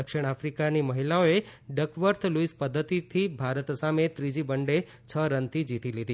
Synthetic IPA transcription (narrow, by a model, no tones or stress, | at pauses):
əkʃiɳ̃afɾikaniməɦilaoeɖəkʰʋəɾt̪ʰluispəd̪ʱːət̪it̪ʰibʱaɾət̪samet̪ɾid͡ʒibəɳɖe | t͡ʃʰəɾənt̪id͡ʒit̪ilid̪i